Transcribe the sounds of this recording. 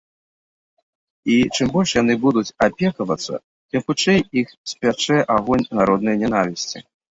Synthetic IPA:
it͡ʂɨmbɔlʲʂjanɨbud̪ut͡sʲapʲɛkɐvɐt̪sːɐ̰ | t̪ɨmxut͡ʂɛjixsʲpʲat͡ʂɛʔaɣɔnʲnaɾɔd̪nɨjnʲɛnavʲisʲt͡sʲḭ

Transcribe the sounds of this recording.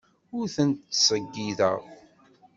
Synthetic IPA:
ʊɾθənt̪ːsˤəɡːiðə̰ʁ

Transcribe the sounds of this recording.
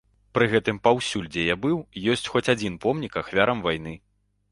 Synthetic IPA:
pɾɨɣɛt̪ɨmpawsʲulʲd͡zʲɛjabɨwjɔsʲt͡sʲxɔt͡sʲad͡zʲin̪pɔmnʲikaxvʲaɾɐmvajn̪ɨ

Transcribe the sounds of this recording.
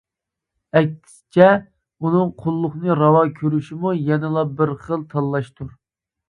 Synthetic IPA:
ɛkʲɪ̥st͡ʃʰɛ | unɨŋqʰʊlˠːʊχnɨɾɑwɑkʲʰøɾyʃimujɛnɪlˠɑbəɾχəlˠt̪ʰɑlːˠɑʃt̪ʰuɾ

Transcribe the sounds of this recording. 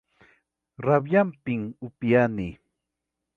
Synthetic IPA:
ɾabjampɪŋʊpjani

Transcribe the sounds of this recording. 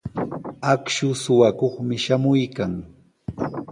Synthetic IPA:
akʃʊsʊwakoχmɪʃamʊjkaŋ

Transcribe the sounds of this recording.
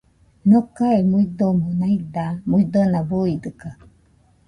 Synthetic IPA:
nokaemuid̪omonaid̪amuid̪onabuid̪ɯka

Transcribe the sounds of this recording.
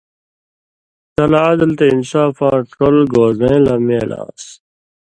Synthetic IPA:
t̪ɐlaːd̪ɐlt̪einsaːfaːɾt̪kolɡoːzẽːlɐmeːla̰ːs

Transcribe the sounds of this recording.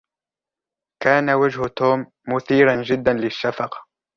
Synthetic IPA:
kaːnawad͡ʒhʊt̪uːmːʊθiːɾand͡ʒɪd̪ːanlɪʃːafɑqɑ̥

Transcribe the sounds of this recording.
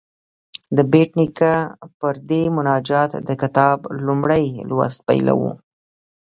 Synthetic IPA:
d̪əbeʈnikapəɾd̪emʊnɑd͡ʒɑt̪d̪əkɪt̪ɑblumɽəjlwa̰st̪̚pa̰jla̰wṵ

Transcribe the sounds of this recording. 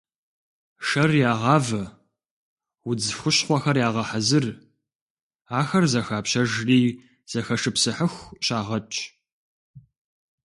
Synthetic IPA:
ʂɐrjaːʁɑːvɐ | wʊd͡zɨfxʷʊɕχʷɔxɐrjaːʁɐħazɨr | aːxɐrzɐxaːpɕɐʒriː | z̥ɐxɐʂɨpsɨħəxʷɕaːʁɐt͡ʃʼʰ

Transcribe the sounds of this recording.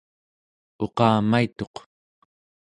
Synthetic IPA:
o̞qɑːmait̪o̞q

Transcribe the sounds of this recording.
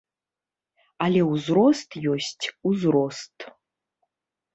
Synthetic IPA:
alʲeuzrost̪ʰʼjosʲtʲʰuzrostʼ

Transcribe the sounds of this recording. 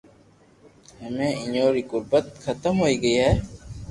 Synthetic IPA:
həmẽːɪɲoːɾiːkʊɾbət̪xʰɐt̪əmɦoːiːɡəiːɦɛː

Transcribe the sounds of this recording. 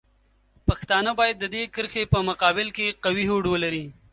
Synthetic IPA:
paxt̪ɑnəbɑjad̪ːəd̪ekəɾxepəmʊqɑbɪlkeqawiɦoɖwəlaɾi

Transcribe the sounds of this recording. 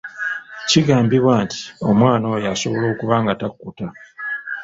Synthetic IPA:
ciɡaːmbiβwaːnti̥o̞mwaːno̞jaso̞βo̞lo̞ːkuβaːŋɡatakːuta

